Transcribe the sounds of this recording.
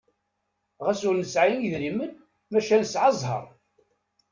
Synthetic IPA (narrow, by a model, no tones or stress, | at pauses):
ʁæsʊɾnəsʕajəniðɾimən | mæʃælsʕɑzˤɦə̰ɾˤ